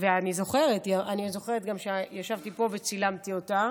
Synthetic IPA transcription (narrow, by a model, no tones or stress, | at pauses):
veanizo̞χe̞ʁetjaʔanizo̞χeʁet̪ɡamʃejaʃavt̪ipo̞vet͡silamtio̞ta